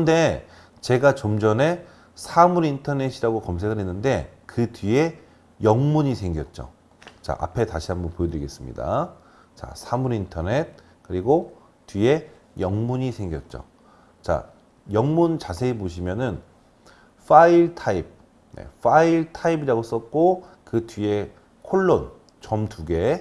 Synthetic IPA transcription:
nde̞ | t͡ɕe̞ɡat͡ɕomd͡ʑʌne̞ | sʰamuɾintʰʌne̞ɕʰiɾaɡokʌmsʰe̞kʰɯnɦe̞nːɯnde̞kɯtɥie̞ | jʌŋmuɲisʰeŋɡjʌt̚t͡ɕ͈o̰ | t͡ɕa̰ʔa̰pʰe̞taɕʰiɦambʌnpojʌdɯɾiɡes͈ɯmɲḭda̰ | t͡ɕa̰sʰamuɾintʰʌne̞t̚ | kɯɾiɡo | tɥie̞ | jʌŋmuɲisʰe̞ŋɡjʌt̚t͡ɕ͈o̰ | t͡ɕa̰ | jʌŋmunt͡ɕasʰe̞iboɕ̬ʰimjʌnɯn | fʰaiɭtʰaip̚ | nḛfaiɭtʰaibiɾaɡos͈ʌt̚k͈okɯtɥie̞ | kʰoɭːon | t͡ɕʌmtuɡe̞

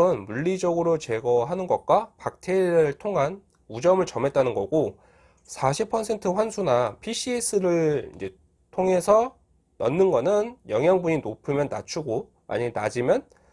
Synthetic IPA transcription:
ɯnmuɭːid͡ʑʌɡɯɾot͡ɕe̞ɡʌɦanɯnɡʌk̚k͈wapak̚tʰeiɾɯɭtʰoŋɦan | ud͡ʑʌmɯɭt͡ɕʌmɦe̞t̚t͈anɯnɡʌɡo | sʰaɕʰipʰʌsʰe̞ntʰɯɸwansʰunapʰiɕʰies͈ɯɾɯɭḭnd͡ʑe̞ | tʰoŋe̞sʰʌ | nʌ̰nːɯnɡʌnɯnjʌŋjaŋbuɲinopʰɯmjʌnːa̰t͡ɕʰuɡo | ma̰ɲimena̰d͡ʑimjʌn

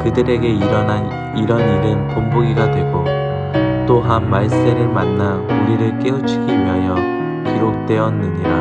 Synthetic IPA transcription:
kɯdɯɾe̞ɡe̞iɾʌna | iɾʌniɾɯnkomboɡiɡadwe̞ɡo | t͈oɦanmaɭs͈e̞ɾɯɭmanːauɭiɾɯɭk͈e̞ut͡ɕʰiɡiɥiɦajʌ | kiɾok̚t͈we̞ʌnːɯɲiɾa

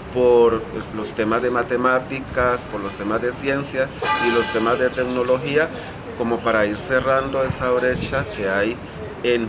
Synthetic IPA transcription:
poɾlo̞st̪e̞mazd̪e̞mat̪e̞mat̪ikaspoɾlost̪e̞mazd̪esje̞nsjasilo̞st̪e̞mazd̪e̞t̪e̞kno̞lo̞xia | ko̞mo̞paɾaiɾse̞rand̪o̞e̞saβɾe̞t͡ʃake̞aj | en

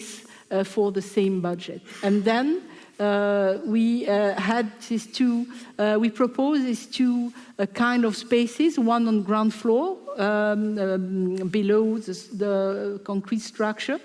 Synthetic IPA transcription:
s | fɔ˞ðəsẽɪ̃mbʌd͡ʒɛtɨ̃nðɛ̃n | wiæd̪̚ðɪstʰuwipʰɹ̥ɔpʰozðɪstʰu | kʰãɪ̃ndɔv̥speɪsɪzwʌ̃nə̃nɡɹãʊ̃nd̥flɔɹ | biloʊðəðəkɔ̃ŋkʰɹ̥itstɹ̥ʌk̚t͡ʃə˞

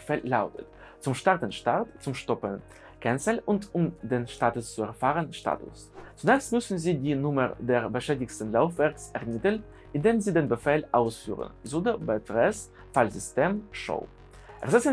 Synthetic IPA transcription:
fɛːllaʊtʰət | t͡sʊmʃtaʁtənʃtaɐtt͡sʊmʃtɔpən | kʰɛnt͡səlʔʊntʰʊmdeːnʃtaːtʊst͡suɛɐfaːʁənʃta̰ːtʊ̰s | t͡sunɛːkstmʏsn̩ziːdiːnʊmə̰deːɐbəʃɛːdɪçstən̩laʊfv̥ɛɐksʔɛɐmɪtən | ʔɪndeːmziːdeːnbəfɛːlʔaʊsfy̰ːʁə̰nzodəbɛtʁɛs | falzʏsteːmʃo̰ʊ | ʔɛ̰ɐzɛs

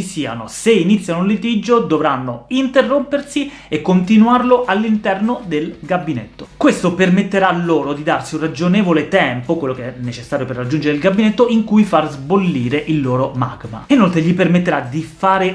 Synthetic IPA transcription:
isiːa̰noseinit̪sːjanoulːet̪id͡ʒod̪ovɾanːoint̪erːompersi | ekːont̪inuarloʔalːint̪ɛrnod̪elɡabːinḛt̪ːokwest̪opermet̪ːeɾalːoːɾod̪id̪arsiunrad͡ʒonɛːvolet̪ɛmpokwelːokeɛnːet͡ʃesːaːɾjoperːad͡ʒːund͡ʒeɾeilɡabːinet̪ːoiŋkujfarzbolːiːɾeʔilːoːɾoma̰ɡma̰inolt̪ɾeʎipermet̪ːeɾad̪ifaːɾe

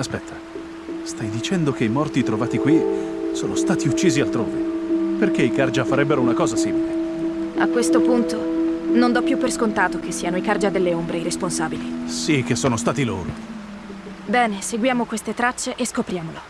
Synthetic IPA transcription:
aspɛt̪ʰːḁ | st̪ajd̪it͡ʃɛnd̪okeimɔrt̪it̪ɾovaːt̪ikwisoːnost̪aːt̪iut͡ʃːiːzialt̪ɾo̰ːveperk̟eikard͡ʒafaɾɛbːeɾounakɔːzasiːmile | a̰kːwest̪opunt̪onond̪ɔpːjupːerskont̪aːt̪ok̟esːiːanoikard͡ʒad̪elːeombɾeiɾesponsaːbilisik̟ːesːoːnost̪aːt̪ilo̰ːɾo̰ | bɛːneseɡwjaːmokwest̪et̪ɾat͡ʃːeʔeskopɾjaːmolo

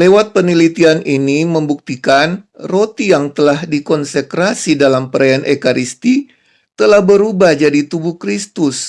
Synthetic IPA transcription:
lewat̪̚pənilit̪ianʔiniməmbuk̚t̪ikanrot̪ijaŋt̪əlahdikɔnsəkɾasidalampəɾajanʔekaɾist̪i | t̪əlahbəɾubad͡ʒadit̪ubuhkɾist̪ʊs

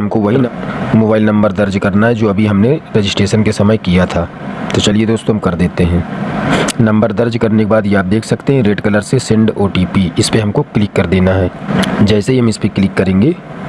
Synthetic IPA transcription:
ɦɐmkoʋɐɦimoːbaːɪlnɐ̃mbəɾd̪ɐɾd͡ʒkɐɾnaɦɛd͡ʒoːɐbʱiɦɐmneɾed͡ʒɪsʈeːʃənkesɐməjkijat̪ʰaː | t̪ot͡ʃɐlied̪oːst̪õɦɐmkɐɾd̪eːt̪eɦɛ̃ː | nɐ̃mbəɾd̪ɐɾd͡ʒkɐɾnekebaːd̪jeaːp̚d̪eːkʰsɐkt̪eɦɛ̃ɾeːʈkɐləɾsesɪ̃ɳɖoːʈiːpiɪspeɦɐmkoklɪkːɐɾd̪eːnaɦɛːd͡ʒɛːseɦiɦɐmɪspeklɪkːɐɾẽːŋɡeː

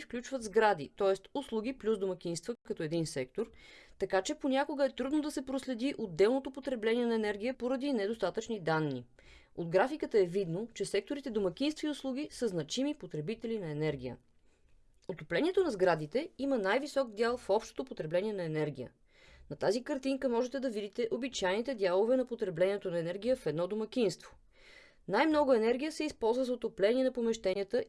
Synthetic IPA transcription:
fklʲut͡ʃvət̪zɡɾad̪ḭt̪ɔɛst̪ʊslˠuɡ̟iplʲusd̪omɐk̟ʲinst̪vəkɐt̪ɔɛd̪insɛk̚t̪oɾt̪ɐkat͡ʃɛponʲakoɡəɛt̪ɾud̪nod̪ɐsɛpɾoslɛd̪iʔod̪ːɛlˠnot̪opot̪ɾɛblɛnʲiɛnɐɛnɛɾɡ̟ʲijəpoɾɐd̪inɛd̪ost̪at̪ət͡ʃnid̪anːi | od̪ɡɾafikət̪əɛvid̪not͡ʃɛsɛk̚t̪oɾit̪ɛd̪omɐk̟ʲinst̪viʊslˠuɡ̟isəznɐt͡ʃimipot̪ɾɛbit̪ɛlinɐɛnɛɾɡʲijə̰ | ot̪oplɛniɛt̪onɐzɡɾad̪it̪ɛimənajvisɔk̚d̪jalˠfɔpʃt̪o̥t̪opot̪ɾɛblɛniɛnɐɛnɛɾɡʲijə̰ | nɐt̪azikɐɾt̪iŋkəmɔʒɛt̪ɛd̪ɐvid̪it̪ɛʔobit͡ʃajnit̪ɛd̪ʲalˠovɛnɐpot̪ɾɛblɛniɛt̪onɐɛnɛɾɡʲijəfɛd̪nɔd̪omɐk̟ʲinst̪vo̥ | najmnɔɡʊɛnɛɾɡʲijəsɛispɔlˠzvəzɐot̪oplɛniɛnɐpomɛʃt̪ɛniət̪ə

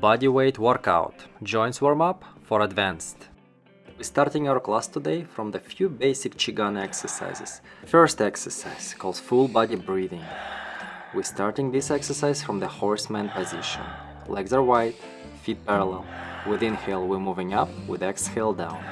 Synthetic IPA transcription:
bɑdiweɪtwɔɹka̰ʊtd͡ʒɔ̃ɪ̃nswəɹmʌpfəɹədvæ̃nst | wistɑɹtɪ̃ŋaʊwə˞kʰlˠastʰɨdeɪfɹɔ̃mðɨfjʉbeɪsɪkt͡ʃɪɡãnɛksə˞sa̰ɪzɪ̰z̥fɜ˞stɛksə˞sa̰ɪz̥kʰɔlˠd̥fulˠbɑdibɹiðɪ̃ŋ | wistɑɹtɪ̃ŋðɪsɛksə˞saɪz̥fɹɔ̃mðəhɔɹsmæ̃npəzɪʃə̰̃n | lɛɡzə˞waɪt | fit̚pɛɹəlˠɛlˠwɪðɪ̃nhɪlˠwimuvɪ̃ŋʌpwɪðɛkshɪlˠdãʊ̃n

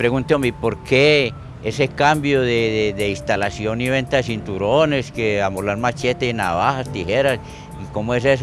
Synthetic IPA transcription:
pɾeɣunt̪omepoɾke | esekambjoðeðeðeist̪alasjoniβent̪aðes̬int̪uɾoneskeamolaɾmat͡ʃet̪eina̰βaxast̪ixeɾas | iko̞moes̬es̬

